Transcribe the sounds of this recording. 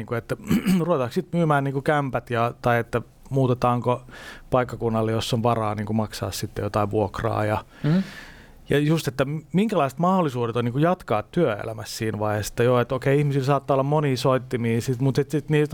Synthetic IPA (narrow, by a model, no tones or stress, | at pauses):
iːŋkuet̪ːæruʋet̪ɑːksit̪myːmæːnniːŋkukæmpæt̪jɑt̪ɑiet̪ːæ | muːt̪et̪ɑːŋkopɑikːɑkunːɑlːejosːonʋɑrɑːniːŋkumɑksɑ̰ːssit̪ːḛjot̪ɑiʋʋuokrɑ̰ːjɑ | jɑjust̪et̪ːæmiŋkælɑist̪mɑholːˑisuːdet̪oniːŋkujɑt̪kɑːt̪t̪yøḛlæ̰mæssiːnʋɑihese̥t̪ːæjoːet̪okeiihmisilsɑːt̪ːɑːolːɑmmoniːsoit̪ːimiːsit̪mut̪et̪sit̪niːt̪